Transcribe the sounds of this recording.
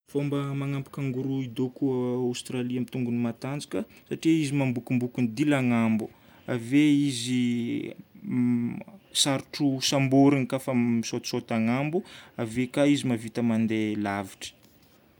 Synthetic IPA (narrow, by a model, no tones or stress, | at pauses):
fombəmaŋampu̥kaŋɡuɾuid̪okuawst̪ɾaliamit̪uŋɡunimat̪and͡zikʲəsaʈ͡ʂiizimambukumbukunid̪ilaŋambu | a̰veizi | saɾuʈ͡ʂusamboɾinikafəmisot̪sot̪aŋambuavekaizimavit̪əmand̪elaviʈ͡ʂə̥